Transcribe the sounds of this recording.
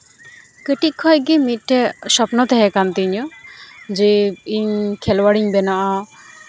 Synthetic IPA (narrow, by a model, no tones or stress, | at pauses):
kəʈikʰːɔjɡimit̪̚ʈɛsɔpnɔt̪ɛɦɛkant̪iɲɔ | d͡ʒeiɲkʰɛlwaɽiɲbɛnaʔa